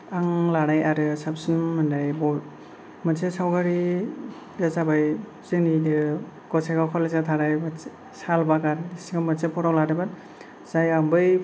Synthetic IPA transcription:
aŋlaɾajaɾɯsapsɯnmɯndajbɔ | mɯnsʰesawɡaɾi | dazabaj | z̥ɯŋnidɯ | ɡ̥ɔsʰeɡakʰɔlezatʰaɾajba | salbakaɾdisiŋamɯnsepʰɔɾawladabat | z̥ajambɯj

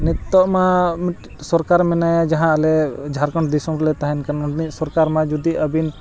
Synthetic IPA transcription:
nit̪ːɔʔmamit̪̚ | sɔɾkaɾmɛnajad͡ʒaɦãlɛd͡ʒʱaɾkɔɳʈd̪isɔmɾlɛt̪aɦɛnkanɔɖnit̪̚sɔɾkaɾmad͡ʒud̪iəbin

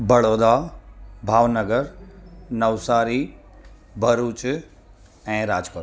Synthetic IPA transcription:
bɐɽod̪abʱaːʋnəɡəɾnɐʋsaːɾi | bʱɐɾuːt͡ʃ | ɛ̃ːɾaːd͡ʒpəɾ

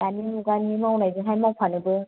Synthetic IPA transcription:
animuɡanimawnajdɯɦajmawpʰanɯbɯ

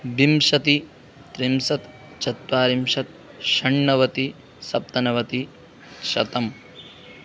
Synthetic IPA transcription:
bimʃɐt̪i | t̪ɾimsɐt̪ | t͡ʃɐt̪ʋaːɾimʃɐt̪̚ | ʃɐɳːɐʋɐt̪i | sɐp̚t̪ɐnɐʋɐt̪i | ʃɐt̪ɐm

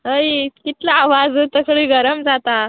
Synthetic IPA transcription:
ɦəjkit̪laːʋad͡zt̪əkɭiːɡʱəɾəmd͡zat̪a

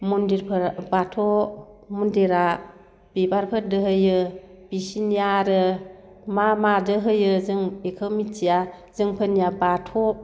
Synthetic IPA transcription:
mundiɾpʰəɾbatʰɔmundiɾa | b̥ibaɾpʰədəɦɯjɯ | b̥isinijaɾə | mamadɯɦɯjɯzɯŋikʰəwmitia | zɯŋpʰəniabatʰɔ

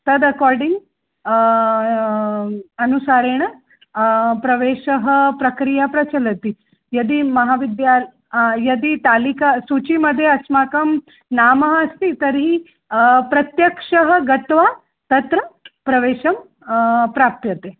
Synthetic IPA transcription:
t̪ɐd̪ɐkɔːɾɖiŋɡ | ɐnusaːɾeːɳ̃ɐ | pɾɐʋeːʃɐɦɐpɾɐkɾijapɾɐt͡ʃɐlɐt̪i | jɐd̪imɐɦaːʋid̪jaː | jɐd̪it̪aːlikasut͡ʃimɐd̪ʱːjeɐsmaːkɐm | naːmɐɦɐɐst̪it̪ɐɾɦi | pɾɐt̪jɐkʂɐɦɐɡɐt̪ʋaː | t̪ɐt̪ɾɐpɾɐʋeːʃɐm | pɾaːp̚p̪jɐt̪e

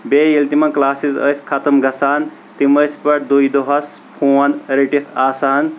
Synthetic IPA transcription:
beːjilt̪imɐnklaːsizə̰sʲkʰɐt̪ɐmɡɐsaːn | t̪iməsbɐʈd̪ujd̪oɦɐspʰuːɐnɾiʈit̪ʰaːsaːn

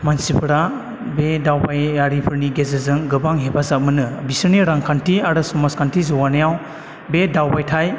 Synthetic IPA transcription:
mansipʰɾa | bedawpajaɾipʰɯɾniɡezezɯŋɡɯbaŋɦebazamɯnɯbisɯneɾaŋkʰantʰiaɾɯsɔmaskʰantʰizuwanajaw | bedawbajtʰaj

